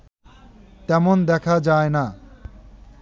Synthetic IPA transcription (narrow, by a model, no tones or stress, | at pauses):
t̪ɛmond̪ɛkʰad͡ʑaena